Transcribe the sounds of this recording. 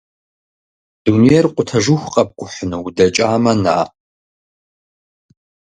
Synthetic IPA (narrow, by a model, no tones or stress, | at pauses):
d̥unijɛrqʷʼʊtʰɐʒuxʷqʼɐp̚kʷʼʊħʷnɨwdɐt͡ʃʼaːmɐna̰ː